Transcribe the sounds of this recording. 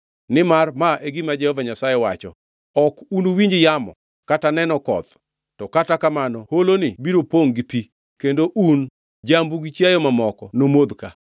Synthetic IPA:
nɪmarmaʔeɡimad͡ʒɛhɔvaɲasajɛwat͡ʃɔ̰ | ɔkunowiɲd͡ʒɪjamɔ̰ | katanɛnɔkɔ̰t̪ | tɔkatakamanɔholonɪbiɾopoŋɡɪpi | kendoʔun | d͡ʒambuɡit͡ʃjajɔmamɔkɔnomod̪ka̰

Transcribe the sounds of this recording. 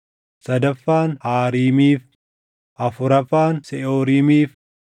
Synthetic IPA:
sɐd̪ɐfːaːnhaːɾiːmiːf | ʔɐfʊɾɐfaːnsɛʔoːɾiːmiːf

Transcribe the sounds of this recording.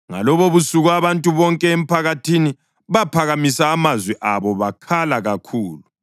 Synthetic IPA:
ŋa̰lɔβoβusuɣuaβantʼuβɔŋkʼɛem̩pʰaɣatʰini | βapʰaɣamisaːmazwɛʔaβɔβakʰalaɣakʰuːlu

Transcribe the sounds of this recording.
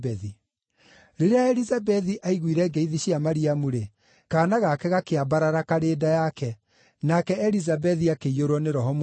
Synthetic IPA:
bɛði | ɾeɾeaɛɾizabɛðiʔaiɣwiɾɛɡeiðiɕiamaɾiamuɾe | kaːnaɣakɛɣakeabaɾaɾakaɾeːdajakɛ | nakɛɛɾizabɛðiakeioɾwɔneɾɔɦɔm

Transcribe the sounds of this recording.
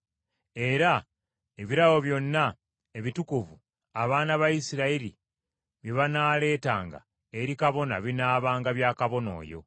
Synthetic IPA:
e̞ɾa | eβiɾaɣo̞βjo̞nːa | e̞βitukuvu | aβaːnaβaisiɾaiɾḭ | βje̞βanaːle̞ːtaːŋɡa̰ | eɾikaβo̞na̰βinaːβaːŋɡaβjaːkaβo̞no̞̰ːjo̞̰

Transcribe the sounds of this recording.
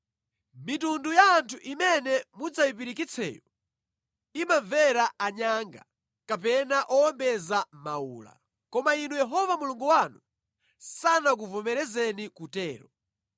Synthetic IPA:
mitundujaːntʰuʔimɛnɛmud͡zawipiɾikit͡sʰɛ̰ːjɔ | imavɛɾaaɲaŋɡa | kapɛnaʔɔɔmbɛzamaṵːla̰ | kɔmainujɛɦɔvamuluŋɡuwanu | sanak̬uvɔmɛɾɛzɛnikutɛːɾɔ

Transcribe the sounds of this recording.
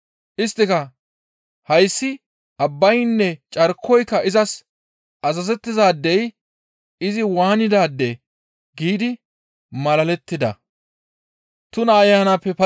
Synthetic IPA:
ʔɪst̪ːɪkɐ | hɐjsːɪ | ʔɐbːɐjnːɛt͡ʃʼɐɾkʰːɔjkːɐʔɪzɐs | ʔɐsɐzɛt̪ːɪzaːd̪ːɛj | ɪzɪwaːnɪd̪aːd̪ːɛ | ɡiːd̪ɪ | mɐlɐlɛt̪ːɪd̪ɐ̰ | t̪ʊnɐːjːaːnaːpːɛpɐ

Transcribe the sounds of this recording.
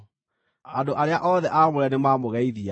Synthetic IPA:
andoʔaɾeaʔɔðɛʔamoɾɛnemaːmoɣɛiðia

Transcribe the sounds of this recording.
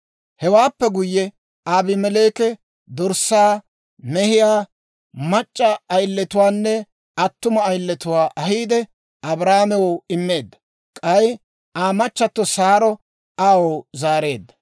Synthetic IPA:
hɛwaːpːɛɡʊjːɛ | aːbɪmɛle̞ːkɛ | d̪ɔɾsaː | mɛhɪjaː | mɐt͡ʃʼːɐɐjlːɛt̪ʊwaːnːɛ | ɐt̪ːʊmɐːjlːɛt̪ʊwaːʔɐɦiːd̪ɛ | ʔɐbɾaːmɛwɔɪmːe̞ːd̪ːɐ̥ | kʼɐj | ʔaːmɐt͡ʃːɐt̪ːɔsaːɾɔ | aːwozaːɾe̞ːd̪ːɐ̥

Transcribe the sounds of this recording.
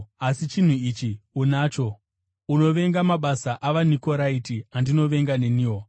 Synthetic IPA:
asit͡ʃin̤uit͡ʃiunaːt͡ʃo̞ | uno̞ʋe̞ŋɡamaɓasaʔaʋaniko̞ɾaitiandino̞ʋe̞ŋɡane̞niːwo

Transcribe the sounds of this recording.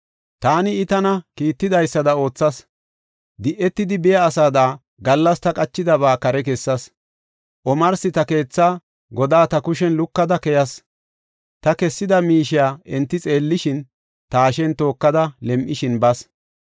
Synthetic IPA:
t̪aːnɪɪt̪ɐnɐkiːt̪ːɪd̪ɐjsːɐd̪ɐo̞ːt͡sːɐs | d̪ɪʔɛt̪ːɪd̪ɪbɪjɐːsaːd̪aː | ɡɐlːɐst̪ɐkʼɐt͡ʃːɪd̪ɐβaːkɐɾɛkɛsːɐs | ʔɔmɐɾsɪt̪ɐke̞ːt͡sːaː | ɡɔd̪aːt̪ɐkʊʃ̬ɛnlʊkːɐd̪ɐkɛjɐs | t̪ɐkɛsːɪd̪ɐmiːʃɪjaːɛnt̪ːɪt͡sʼe̞ːlːɪʃɪn | t̪aːʃɛnt̪o̞ːkːɐd̪ɐlɛmʔɪʃɪnbɐs

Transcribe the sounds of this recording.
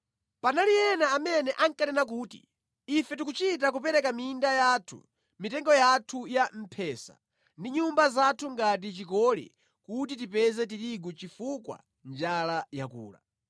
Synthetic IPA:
panalijɛnaːmɛnɛʔaŋkanɛnak̬uːtḭː | fɛt̬ikut͡ʃit̬ak̬upɛɾɛkamiːndajatʰṵ | mitɛŋɡɔjatʰujam̩pʰɛːsa̰ | ndiɲumbazatʰuŋɡat̬it͡ʃikɔlɛ̰ | kut̬itipɛzɛt̬iɾiɡut͡ʃifukwa̰ | nd͡ʒalajakṵːla̰

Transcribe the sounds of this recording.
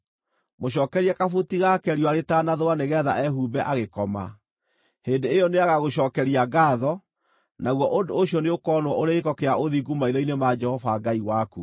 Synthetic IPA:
moɕɔːkɛɾiakafotiɣakɛɾiwaɾetanaðowaneɣɛːða̰ʔɛɦuːbɛʔaɣekɔma̰ | heːndeejɔneaɣaɣoɕɔːkɛɾiaɡaːðɔ | naɣwɔʔondoːɕjɔneokɔːnwɔʔoɾeekɔkeaʔoðiɡumaiɾɔinemad͡ʒɛhɔfaɡaiwaku

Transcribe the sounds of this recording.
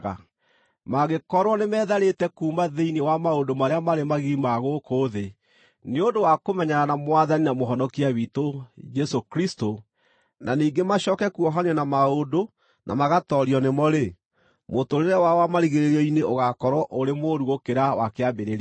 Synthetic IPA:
a | maɣekɔɾwɔnemɛːðaɾetɛkuːmaðeinewamaodomaɾeamaɾemaɣiːmaɣokoːðe | neondowakomɛɲaɾanamwaðaninamoɦɔnɔkiaβitod͡ʒɛsokɾisto | naniːŋɡemaɕɔːkɛkuɔɦaɲɛnamaodo | nʔa̰maɣatɔɾiɔnemɔɾe | motoɾeɾɛwawamaɾiɣeɾeɾɔineoɣakɔɾwɔʔoɾemoɾuɣokeɾawakeabeɾeɾ

